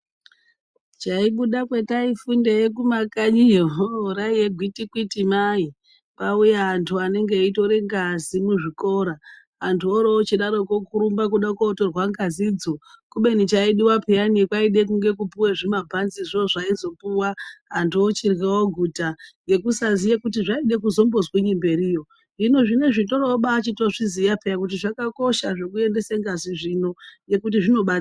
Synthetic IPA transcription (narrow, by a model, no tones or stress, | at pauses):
t͡ʃaiɓuɗakwe̞taifundejekumakaɲijoɾaijeɡʱwitikwitimai | paujaantʰuane̞ŋɡeito̞ɾeŋɡazimuʐiko̞ɾaː | ntʰuoɾoːt͡ʃiɗaɾokokuɾumbakuɗakwoːtorwaŋɡazid͡zokuɓe̞nit͡ʃaiɗiwapʰejaniekwaiɗe̞k̬uŋɡek̬upuweʐimabʱanziʐoʐaizo̞puwaɦantʰuot͡ʃirɣewoɡʱutajɡe̞kusazijakutiʐaiɗe̞k̬uzo̞mbo̞zweɲimbe̞ɾijo̞ | ʐino̞ʐine̞ʐito̞ɾoɓaːt͡ʃito̞ʐizijapʰejakut̬iʐakako̞ʃaʐe̞kue̞nde̞seŋɡaziʐino̞je̞kutiʐino̞ɓaa